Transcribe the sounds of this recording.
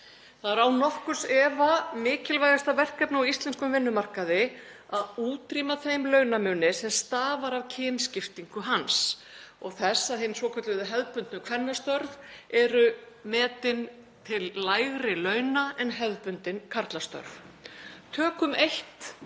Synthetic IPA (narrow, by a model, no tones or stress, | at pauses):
θaðaɾawnɔhkʏ̥sɛːvamɪːcɪlvajɣast̪avɛr̥kɛpnawist̪lɛnskʏmvɪnːʏmar̥kaðɪ | aðuːt̪ɾimaθejmlœɥnamʏːnɪsɛmst̪aːvaɾavcʰɛːnscɪft̪iŋkʏɦans | ɔɣθɛsːaðɦɪnːsvɔːkʰœt̪lɪðʏɦɛðpʏnt̪nʏkʰvɛnːast̪œɾðɛɾʏ | mɛːt̪ɪn | t̪ʰɪlːajɣɾɪlœːɥnaɛnɦɛðpʏnt̪ɪnkʰaɾt̪last̪œ̰ɾθ | t̪ʰœːkʏmejht̪